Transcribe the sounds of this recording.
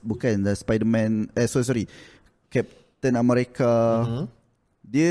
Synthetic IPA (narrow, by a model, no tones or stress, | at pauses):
bukandəspajdəmɛ̃nɛsɔs̬ɔɾi | kɛp̚ | t̪ənaməɾeka | diə